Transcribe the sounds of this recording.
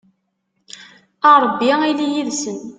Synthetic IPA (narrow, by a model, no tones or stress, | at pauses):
ɑɾˤbːiilijiðsən